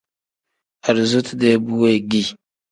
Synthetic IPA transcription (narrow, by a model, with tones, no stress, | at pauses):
a˨ɾzu˦tde˦bu˦we˦ɡi˦